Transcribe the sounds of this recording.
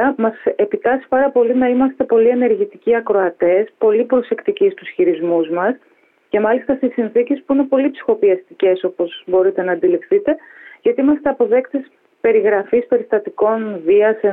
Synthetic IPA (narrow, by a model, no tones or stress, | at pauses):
ɐmɐse̞pit̪ɐsi̥pɐɾɐpo̞linɐimɐst̪e̞po̞lie̞ne̞ɾʝit̪iciɐkɾo̞ɐt̪e̞spo̞lipɾo̞se̞kt̪icist̪usçiɾizmuzmɐs | ce̞mɐlist̪ɐst̪isːinθicespuine̞po̞lipsi̥xo̞piɐst̪ice̞so̞po̞zbo̞ɾit̪e̞nɐːnd̪ilifθit̪e̞ʝɐt̪iimɐst̪e̞ɐpo̞ðe̞kt̪es | pe̞ɾiɣɾɐfispe̞ɾist̪ɐt̪iko̞nviɐse